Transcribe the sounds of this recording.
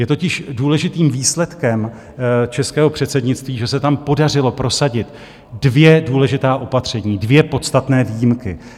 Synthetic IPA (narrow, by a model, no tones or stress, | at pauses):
jɛt̪o̞cɪʃduːlɛʒɪt̪iːmviːslɛt̪kɛm | t͡ʃɛskɛːɦo̞pr̥ɛt̪sɛdɲɪtt͡st̪viːʒɛsɛt̪ampo̞dar̝ɪlo̞pɾo̞saɟɪt̪ | dvjɛduːlɛʒɪt̪aːʔo̞pat̪r̝̥ɛɲiːdvjɛpo̞t̪st̪at̪nɛːviːjɪmkɪ